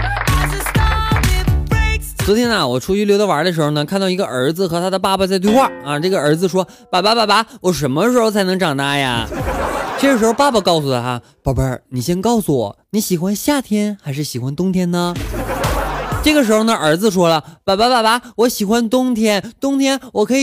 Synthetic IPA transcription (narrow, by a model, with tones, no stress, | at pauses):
t͡st̪ʰjɛ˥na˧wɔ˨˩ʈ͡ʂʰu˥t͡ɕy˧˥ljo˧ʊd̪ɑ˥ʊa˧˥d̪ə˧ʂɻ̩˧˥xo˧ʊnə˩kʰnt̪ɑ˥˩ʊi˧˥ɡə̰˧ʔə˞˧˥d͡zɹ̩˧xɤ˧˥t̪ʰa˥d̪ə˧pa˥˩pa˨˩t͡sa˥˧ɪt̪we˥˧xwa˥˩a˧ʈ͡ʂɤ˥˩ɡə˩ə˞˧˥d͡zɹ̩˧ʂwɔ˥ | pa˨˩pa˧˥pa˥˩ba˧˥wɔ˨˩ʂ̬ə˧˥nmə˧˩ʂɻ̩˧˥xo˥˧ʊt͡sʰɪnɤ˧˥ŋʈ͡ʂɑ˨˩ŋt̪a˥ja̰˧ | ʈ͡ʂɤ˥˩ɡə˩ʂɻ̩˧˥xo˥˧ʊpa˥˧˩ba˨˧kɑ˥˩ʊsu˨˩ə˨˩t̪ʰa˥ | pa˥˩pa˧˩ni˨˩ɕjɛ˥nkɑ˥˩ʊsu˧wɔ̰˨˩˦ni˧˥ɕi˨˩xwa˧˥nɕja˥˩t̪ʰjɛ˥nxa˧˥ɪʂ̬ɻ̩˥˩ɕi˨˩xwa˥nt̪ʊ˥ŋt̪ʰjɛ˥nnə˨ | ʈ͡ʂɤ˥˩ɡə˩ʂ̬ɻ̩˧˥xo˧nə˧ʔə˞˧˥d͡zɹ̩˧ʂwɔ˥lə˨pa˨˩pa˧˩pa˥˩ba˧˥wɔ˧˥ɕi˨˩xwa˥nt̪ʊ˥ŋt̪ʰjɛ˥nt̪ʊ˥ŋt̪ʰjɛ˥nwɔ˨˩kʰɤ˧˥i˨˩